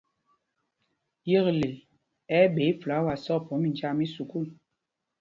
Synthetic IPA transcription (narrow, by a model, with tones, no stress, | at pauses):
jə˦˨ɣle˨ | ɛ˦ɓe˨˦fla˨˦wa˨sɔ˦pɔ˨˦mi˨nd͡ʒa˦mi˦su˨ku˦˨l